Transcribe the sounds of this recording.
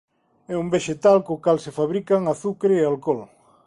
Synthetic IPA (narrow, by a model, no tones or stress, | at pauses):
ɛumbeʃet̪alkoːkalsefaβɾikaŋaθukɾeːalkɔl